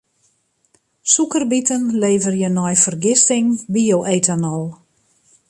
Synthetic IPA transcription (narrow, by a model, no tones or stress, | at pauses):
sukərbitənleːvərjənɔjfərɡɪstɪŋbiowʔeːtanɔlˠ